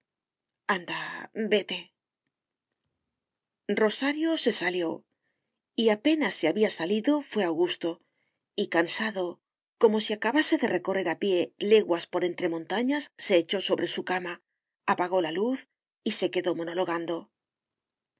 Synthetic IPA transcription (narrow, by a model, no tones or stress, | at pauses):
and̪abe̞t̪e̞ | ro̞saɾjo̞se̞saljo̞ | iape̞nasːeaβiasaliðo̞fwe̞awɣust̪o̞ | ikansaðo̞ | ko̞mo̞siakaβase̞ðe̞re̞ko̞re̞ɾapje̞le̞ɣwaspo̞ɾe̞nt̪ɾe̞mõ̞nt̪aɲasːe̞ːt͡ʃo̞so̞βɾe̞sukama | apaɣ̞o̞laluθ | ise̞ke̞ðo̞mo̞no̞lo̞ɣ̞and̪o̞